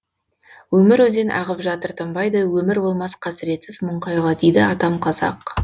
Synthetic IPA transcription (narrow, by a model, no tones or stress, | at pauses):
wɵmɪɾwɵzenʔɑ̰ʁəpʒɑt̪əɾt̪ʰəmbɑjd̪əwɵmɪɾbo̞lˠmɑsqʰɑsɪɾe̞t̪sɪzmʊɴqɑjʁɑd̪ejd̪ɪɑt̪ɑmqʰɑzɑ̰q